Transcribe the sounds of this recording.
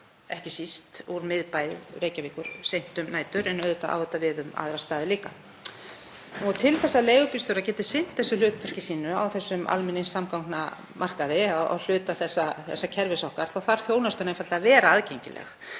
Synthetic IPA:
ɛhcɪsist̪uɾmɪðpajɾejcaviːkʏɾ̥sejn̥t̪ʏmnaːjt̪ʏɾɛnœðʏt̪aa̰ːwʏt̪avɪðʏma̰ðɾast̪aːðɪliːka | ɔɣt̪ʰɪlθɛsːaleːjɣʏpist̪ʏɾacɛːt̪ɪsɪn̥t̪θɛsːʏlʏːt̪̚pʰœr̥cɪsiːnʏa̰wθɛsːʏmʔa̰lmɪnːɪnsamkawŋkna | mʔar̥kaðɪawa̰wl̥ʏːt̪aθɛsːaθɛ̰sːacʰɛɾvɪsɔhkaɾ̥θawθaɾ̥θjoːwnast̪ʏɾnẽmfalavɛːɾaaðcejɲcɪ̰lʔɛ̰x

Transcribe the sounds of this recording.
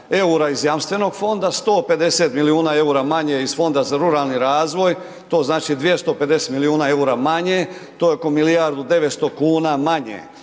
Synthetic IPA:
e̞uɾaizjamst̪ʋe̞no̞ɡfo̞nd̪ast̪o̞ːpe̞d̪e̞set̪miliuːnae̞uɾamaɲeiz̥fo̞nd̪azaɾuɾaːlˠniɾaːzʋo̞j | t̪o̞ːznaːt͡ʃid̪ʋije̞st̪o̞ped̪eset̪miliuːnae̞uɾamaɲet̪ojoko̞milijaɾd̪ud̪e̞ʋet̪st̪o̞kuːnamaɲḛ

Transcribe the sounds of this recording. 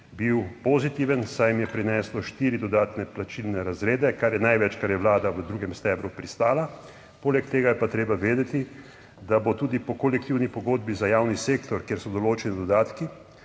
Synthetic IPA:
biwpozit̪iːʋənsajmjɛpɾinɛːslɔʃt̪iːɾid̪ɔd̪aːt̪nɛplat͡ʃilnɛɾazɾeːd̪ɛkaɾjɛnajʋɛt͡ʃkaɾjɛʋlaːd̪aʋəd̪ɾuːɡɛmst̪ɛːbɾupɾist̪aːla | poːlɛkt̪eːɡajɛpat̪ɾeːbaʋeːd̪ɛt̪i | d̪abot̪uːd̪ipɔkolɛk̚t̪iwnipɔɡoːd̪bizajaːwniseːkt̪ɔɾkjeːɾsɔd̪ɔloːt͡ʃɛnid̪ɔd̪aːt̪ki

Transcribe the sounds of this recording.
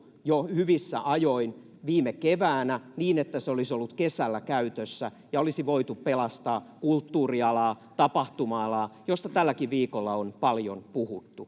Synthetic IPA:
johyʋisːæ̰ʔɑjoin | ʋiːmekeʋæːnæniːnet̪ːæseolisolːut̪kesælːækæyt̪øsːæ | jɑolisiʋoit̪uppelɑst̪ɑːkult̪ːuːriɑlɑː | t̪ɑpɑht̪umɑɑlɑːjost̪ɑt̪ælːækiʋʋiːkolːɑonpɑljonpuhut̪ːu

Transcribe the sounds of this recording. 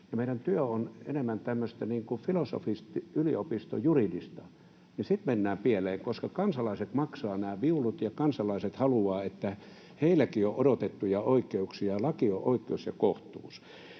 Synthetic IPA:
jɑmeiɾænt̪yøonḛnemːænt̪æmːøst̪æniːŋkufiloso̰fist̪yliopist̪o̰juridist̪ɑ | nisit̪menːæːmpieleːŋkoskɑkɑnsɑlɑiset̪mɑksɑːnæːʋiulut̪jɑkɑnsɑlɑiset̪hɑluɑːet̪ːæ | heilækioʔodot̪et̪ːujɑoikːˑeuksiɑlɑkioʔoikːˑeusjɑkoht̪ṵːs

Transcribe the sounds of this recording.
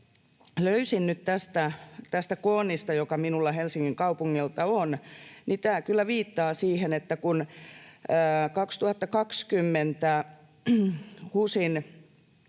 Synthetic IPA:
løysinnyt̪t̪æst̪æt̪æst̪ækoːnːˑist̪ɑjokɑminulːɑhelsiŋːiŋkɑupuŋːilt̪ɑonnit̪æːkylːæʋiːt̪ːɑːsiːhenet̪ːækunː | kɑkst̪uhɑt̪ːɑkɑkskymːent̪æ | husin

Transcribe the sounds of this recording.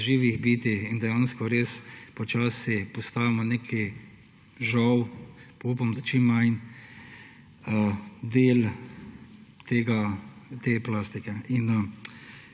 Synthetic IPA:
ʒiːʋiɣbiːt̪ixind̪ɛjaːnskɔɾeːspɔt͡ʃaːsipɔst̪aːʋimɔnekʰi | ʒɔwpoupamɔd̪at͡ʃimːajn | əd̪eːl | t̪eːɡat̪eːplaːst̪ikɛin

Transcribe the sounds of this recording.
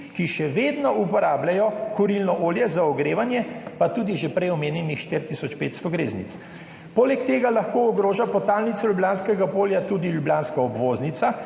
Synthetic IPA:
kiʃɛʋeːd̪nɔʔupɔɾaːblajɔkɔɾilnɔʔoːljɛzaɔɡɾeːʋanjɛpat̪uːd̪iʒepɾɛjɔmeːnjɛnixʃt̪iɾt̪isɔt͡ʃpeːt̪st̪ɔɡɾḛːznḭt̪s | poːlɛkt̪eːɡalaxkoːɔɡɾoːʒapɔt̪aːlnit̪sɔljubljaːnskɛɡapoːljat̪uːd̪iljubljaːnskaɔbʋoːznit̪sa

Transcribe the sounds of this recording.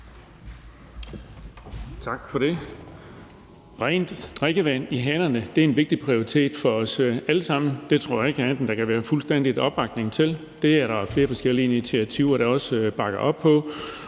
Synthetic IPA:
t͡sʰɑ̈ɡ̥fɒ̽ɾ̥e̝ | b̥ʁɛ̰ːnd̥d̥ʁeɡ̥əʋæniɦænɐnəd̥e̝æenʋe̝ɡ̥̚d̥ipʰʁio̝ʁit͡sʰe̝̰ːd̥fɒ̽ɒ̽sæləsɑ̈m̰n̩d̥e̝t͡sʰʁo̝ɐ̰jɑ̈e̝ɡ̥ænd̥n̩d̥ɑ̈kʰæʋæːɐfulsd̥en̰d̥id̥ɒ̽b̥ʁɑ̈ɡ̥ne̝ŋt͡sʰe̝l | d̥e̝æɐɾɑ̈fle̝ːɐfɒ̽sɡ̥el̰iinit͡sʰiæt͡sʰiʊ̰ɐɾ̥ɑɒ̽sb̥ɑ̈ɡ̥ɐʔɒ̽b̥pʰɒ̽

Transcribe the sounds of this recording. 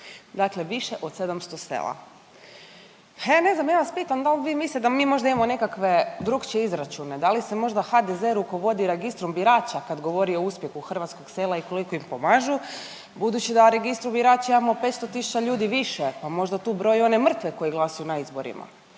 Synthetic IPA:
d̪akle̞ʋiʃe̞ʔo̞d̪̥se̞d̪amst̪o̞sḛːlˠa̰ | paene̞znamjaːʋaspiːt̪amd̪alʋiːmislitd̪amiːmo̞ʒd̪aimamonekakʋe̞d̪ɾukt͡ʃeizɾat͡ʃune̞d̪alisemo̞ʒd̪axad̪ezeɾuko̞ʋo̞d̪iɾe̞ɡist̪ɾumbiɾaːt͡ʃakad̪ɡo̞ʋo̞ɾio̞uspje̞xuxr̩ʋat̪sko̞ɡse̞lˠaiko̞liko̞impo̞maʒu | bud̪ut͡ɕid̪aɾe̞ɡist̪ɾumbiɾaːt͡ʃimamope̞t̪st̪o̞t̪isu̥t͡ɕaʎuːd̪iʋiʃepamo̞ʒd̪at̪uːbɾo̞jo̞ne̞mr̩t̪ʋe̞ko̞jeɡlˠasujunaizboɾḭma̰

